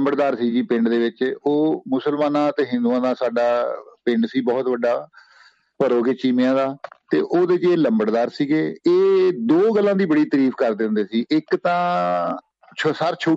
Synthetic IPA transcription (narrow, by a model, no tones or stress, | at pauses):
mbəɽd̪aːɾsiːd͡ʒiːpɪɳɖd̪eːʋɪt͡ʃoːmʊsəlmaːnãːt̪eːɦɪ̃nd̪uːãːd̪aːsaːɖaːpɪ̃ɳɖsiːbɔːt̪ʋəɖaː | pəɾoːɡet͡ʃiːmeãːd̪aːt̪ḛːʔoːd̪eːɪt͡ʃeːləmbəɽd̪aːɾsiːɡeːeːd̪oːɡəlːãːd̪iːbəɽiːt̪əɾiːfʰkəɾd̪eʊ̃nd̪eːsiːʔɪkt̪ãː | t͡ʃʰsaɾt͡ʃʰoː